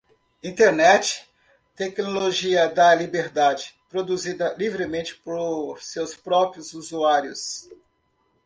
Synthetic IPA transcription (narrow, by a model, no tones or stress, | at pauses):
ĩnt̪eɾnɛt͡ʃɪ̥ | t̪ɛknoloʒiɐd̪ɐlibeɾd̪ad͡ʒɪpɾod̪uzid̪ɐlivɾɪmẽt͡ʃɪ̥poɾsewspɾɔpɾjʊzuzuaɾjʊs